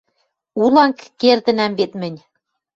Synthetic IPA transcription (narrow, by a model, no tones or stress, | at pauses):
ulˠɑŋkːerd̪ɘ̆næmbet̪mɘ̆nʲ